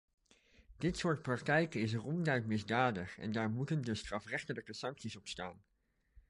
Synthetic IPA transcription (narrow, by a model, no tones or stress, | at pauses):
d̥ɪtsʊːɹt̚prɑktɛjkəɪs̬ərɔndœɥtmɪzdaːdəχɛ̰ndaːɹmutəndəstrɑfrɛχtələkəsɑŋksisɔpstaːn